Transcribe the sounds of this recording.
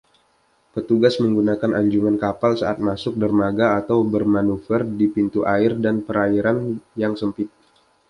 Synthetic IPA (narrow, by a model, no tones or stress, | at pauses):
pət̪uɡasməŋɡunakanʔaɲd͡ʒuŋankapalsaat̪̚masʊk̚dərmaɡaːt̪awbərmanufərdipint̪uʔaɪrdanpəɾaiɾanjaŋsəmpɪt̪̚